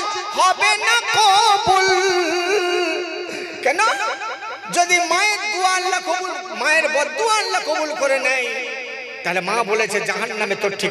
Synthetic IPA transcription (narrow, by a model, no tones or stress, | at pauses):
hɔbenakobul | kɛno | d͡ʑod̪imaeɾd̪uanlakobul | maeɾbɔd̪ːuanlakobulkoɾenɛj | t̪aɦelemãbolet͡ɕʰed͡ʑaɦanːamet̪oɾʈʰːik